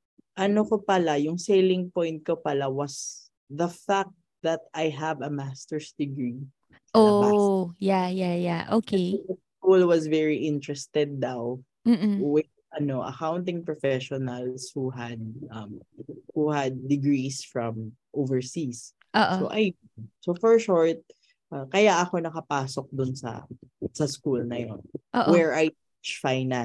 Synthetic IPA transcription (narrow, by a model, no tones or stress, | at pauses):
ʔɐnokopɐlajʊŋsejlɪ̃ŋpɔjnt̪̚kopɐlawɐs | ðɐfak̚t̪̚d̪ɐt̪ajɦɐvɐmast̪ɛɹsd̪̥ɪɡɹi | o | jajajaʔokɐskulwɐsvɛɹiʔɪ̃nt̪ɹɛst̪ɛd̪̚ːaw | m̩wɪdʔɐnoʔɐ̰kawnt̪ɪ̃ŋpɹɔfɛʃɔnɐlshuɦɐd̪̚ʔɐmhuhɐd̪̚ːɪɡɹisfɹɐ̃m | ʔovɛɹsis | ʔoːʔsoʔɐj | nsofɔɹʃɔɹt̪̚ | ʔɐkɐjaʔɐko̞nɐkɐpaːsok̚d̪ʊnsɐ̰sɐskulnɐjonʔoʔwɛɹʔaj | it͡ʃfajna